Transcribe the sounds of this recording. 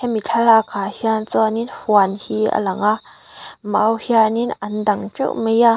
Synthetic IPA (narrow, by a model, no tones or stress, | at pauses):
kɛmit͡ɬʰalakʰaːhiant͡sɔaninfuanhiə̰lɐŋa | maʔwhianinɐnd̪ɐŋt͡ʃṵʔmeja